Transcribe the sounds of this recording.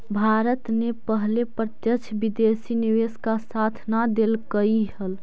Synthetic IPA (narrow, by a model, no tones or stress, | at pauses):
bʱaɾət̪nepəɦlepɾət̪jət͡ʃʰbid̪esiniʋeskasat̪ʰnad̪elkəiɦəl